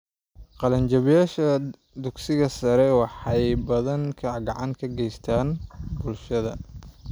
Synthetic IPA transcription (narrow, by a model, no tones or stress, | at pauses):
qɑlɐnt͡ʃɐβjaːʃɐ | d̪ʊɡsɪɣɐsɐɾɛwɑħɑjbɐðɐŋkʰɐɡɑʕɑŋkʰɐɡɛjst̪ʰaːnbʊlʃɐðɐ